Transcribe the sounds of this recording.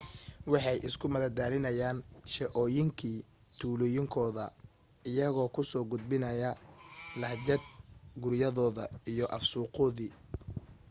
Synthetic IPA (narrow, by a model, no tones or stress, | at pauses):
wɑħɑjʔɪskʰʊmɐðɐd̪aːlɪnɐjaːnʃɛʔɔːjɪŋkʰiː | t̪ʰuːlɔjɪŋkʰɔːðɐ | ɪjɐɣɔːkʰʊsɔːɡʊd̪̚bɪnɐjɐlɐhd͡ʒɐd̪̚ɡʊɾjɐðɔːðɐijɔʔɐfsuːqɔːðiː